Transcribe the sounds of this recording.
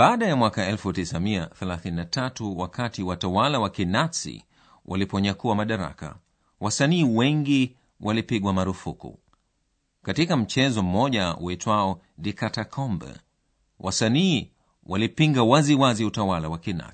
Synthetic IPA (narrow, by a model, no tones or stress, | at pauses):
aːɗajamwakaɛlfutisamiaθɛlaθininatatuwakatiwatawalawakinasḭ | wʔa̰lipɔɲakuwamaɗaɾa̰ka̰ | wasaniːwɛŋɡi | wʔalipiɠwamaɾufukṵ | katikam̩t͡ʃɛzɔm̩mɔʄaṵɛtwaɔ | dikatakʰɔmbɛ̰ | wʔasaniː | wʔalipiŋɡawaziwaziutawalawakina̰